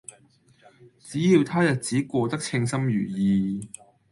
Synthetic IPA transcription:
t͡siː˨˥jiː˧wt̪ʰaː˥jɐ˨˩t̚t͡siː˨˥kʷɔː˧t̪ɐ˥k̚t͡sʰɪ˧ŋsɐ˥mjyː˨˩jiː˧

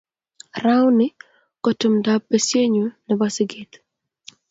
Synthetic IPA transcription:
ra˦wnɪ˦ | kɔ˨tʊ˨mda˦p̚e˦sje˦ɲu˨nɛ˨ba˦sɪ˦ɡi˨t̪

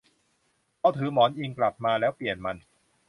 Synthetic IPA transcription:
ʔa˧wt̪ʰɯː˩˦mɔː˩˦nʔi˧ŋkla˨˩p̚maː˧lɛː˦˥wpli˨˩ənma˧n

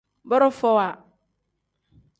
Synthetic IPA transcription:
bɔ˦ɾʊ˦fɔ˦wa˨

